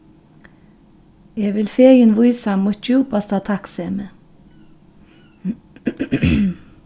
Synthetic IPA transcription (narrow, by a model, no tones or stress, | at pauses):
jeːʋɪlfeːjənʋʊʏsɑmuːt̪̚juːpɑst̪ʰɑt̪ʰɑksemə